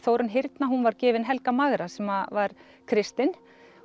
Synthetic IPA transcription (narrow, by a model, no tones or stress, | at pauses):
θowɾʏnɦɪɾt̪naɦunvaɾcɛːvɪnɦɛlkamaɣɾasɛmavaɾ̥ | kʰɾɪst̪ɪn